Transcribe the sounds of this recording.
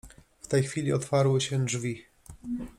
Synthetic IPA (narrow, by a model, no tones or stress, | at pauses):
ft̪ɛjxfʲilʲiɔt̪faɾwɘɕɛdʐvʲi